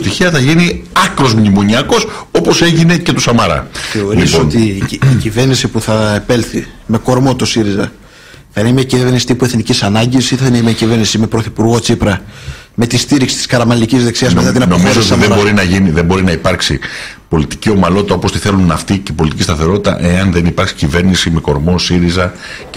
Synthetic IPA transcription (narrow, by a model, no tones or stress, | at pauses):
st̪içiɐθɐʝiniɐkɾo̞zmɲimo̞ɲiɐko̞so̞po̞se̞ʝine̞ce̞t̪usɐmɐɾɐ̰θe̞o̞ɾlisoont̪iːcive̞ɾnisipuθɐepe̞lθime̞ko̞ɾmo̞t̪osiɾizɐ | θɐinemiɐciveɾnisi̥t̪ipueθnicisɐnɐɲɟisiθɐineimiɐcive̞ɾnisime̞pɾoθipuɾɣo̞t͡sipɾɐ | me̞t̪ist̪iɾiksi̥t̪i̥skɐɾɐmɐlicizðe̞ksiɐzmet̪ɐt̪inɐnomizootiðebo̞ɾinɐʝiniðembo̞ɾinɐipɐɾksi | po̞lit̪i̥cio̞mɐlo̞t̪it̪ɐo̞po̞st̪iθe̞lunɐft̪icepolit̪icist̪ɐθe̞ɾo̞t̪it̪ɐ̰ʔe̞ɐnðenipɐɾksi̥cive̞ɾnisime̞ko̞ɾmo̞siɾizɐ